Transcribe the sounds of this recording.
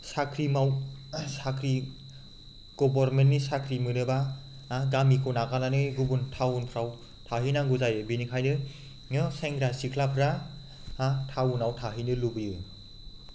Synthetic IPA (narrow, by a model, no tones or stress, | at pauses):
sakʰɾimawsakʰɾi | ɡ̥ɔbɔɾmentnisakʰɾimɯnɯba | ɡamikʰɔnakananɯɡubuntʰawunpʰɾaw | tʰaɦɯnaŋɡuzajɯbinikʰajnɯ | ŋɯseŋɡɾasikʰlapʰɾa | atʰawunawtʰaɦɯnɯlubɯjɯ